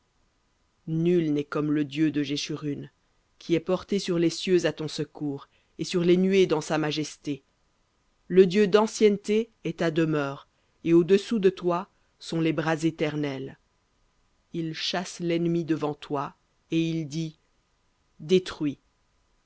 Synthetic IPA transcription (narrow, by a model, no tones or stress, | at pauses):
nylnɛkɔmləd̪jød̪əʒeʃyʁyn | kʲʰiɛpɔʁt̪esyʁlesjøzat̪ɔ̃səkuːʁ | esyʁlenɥed̪ɑ̃samaʒɛst̪e | ləd̪jød̪ɑ̃sjɛnt̪eɛt̪ad̪əmœːʁ | eod̪əsud̪ət̪wa | sɔ̃lebʁazet̪ɛʁnɛl | ilʃaslɛnmid̪əvɑ̃t̪wa | eild̪i | d̪et̪χɥi